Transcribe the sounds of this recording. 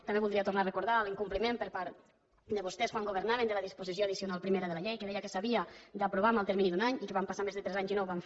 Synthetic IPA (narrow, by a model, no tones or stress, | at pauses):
t̪ambeβulˠd̪ɾiat̪urnarekuɾðaliŋkumplimẽmpəɾpaɾt̪ | d̪əβust̪ɛsfaŋɡuβ̞eɾnaβend̪əlaðispuzis̬joaðisiunalˠpɾimeɾaðəlaʎejkeðɛjəkesaβiad̪apɾuβamalˠt̪eɾminiðunaɲikeβampasamezðet̪ɾɛzaɲzinɔwβamf